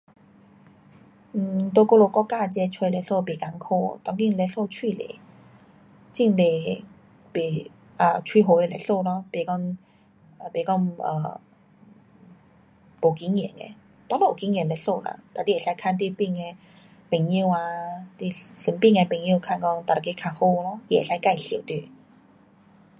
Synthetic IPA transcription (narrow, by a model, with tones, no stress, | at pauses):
m̩˩t̪o˧ko˥˧lo˧˩kɔ˥˧ka˥˧˨t͡ɕɛ˧˦t͡ɕʰwe˧le˧ɬo˥˧˨be˨˩ka˧˦ŋkʰo˥˧˨t̪a˧˥ŋki˥˧le˧ɬo˥˧t͡ɕʰwi˥˧˨lḛ˨˦ | t͡ɕi˥˩nle˨˩ | be˨˩ | ə˧˩t͡ɕʰwi˧˩ɦo˨˧˦e˧le˨˧˩ɬo˥˧lɔ˧be˨˩kɔ˥˧ŋ˧˨ | be˨˩kɔ˥˩ŋə̰˧˩ | bo˨˩ki˧˦ŋjɛ̰˨˩˨nḛ˧ | t̪wɔ̃˧˦lo˥˧˨o˨˩ki˨˧˦ŋjɛ˨˩nle˧ɬo˥˧˨la̰˧˨t̪a˨d̪i˧e˨˩sa˧˦jkʰa˥˨nt̪̬i˥˧˨pi˥˧ŋe˧ | pe˨˩ŋi˥˧˨wa˧t̪i˥˧ɬi˨˧˦mpi˥˧˨ŋe˧pe˨˩ŋĩ˥˨kʰa˥˧nkɔ˥˨ŋt̪a˨˩˨ke˧˦kʰa˧ho˥˧˨lɔ˧i˧ḛ˨˩sa˧˦jka˥˧jɬi˨˩˨t̪u˥˧˩